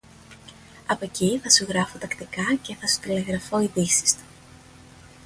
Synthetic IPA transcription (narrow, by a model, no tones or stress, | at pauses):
ɐpo̞ciθɐsuɣɾɐfot̪ɐkt̪ikɐce̞θɐsu̥t̪ile̞ɣɾɐfo̞iðisi̥st̪u̥